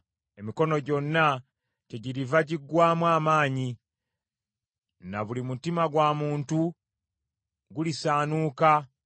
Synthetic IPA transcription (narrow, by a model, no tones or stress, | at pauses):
e̞miko̞no̞ɟo̞nːa | te̞ɟiɾivaɟiɡːwaːmwaːmaːɲi | naβulimutimaɡwamuːntu | ɡulisaːnuːka